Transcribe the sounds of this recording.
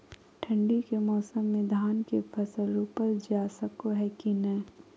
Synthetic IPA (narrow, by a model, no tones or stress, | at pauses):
ʈʰɐ̃ɳɖikemɔːsəmːẽd̪ʱaːnkefʰɐsəlːuːpəɾd͡ʒaːsəkoɦɛkinɐ